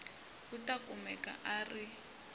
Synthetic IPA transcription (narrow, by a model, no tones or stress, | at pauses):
utʼakʼumɛkʼa̰ʔari